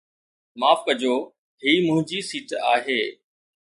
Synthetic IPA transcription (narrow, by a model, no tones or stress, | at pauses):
maːfkəd͡ʑoː | ɦiːmʊ̃ɦɪ̃ɲd͡ʑiːsiːʈa̰ːɦeː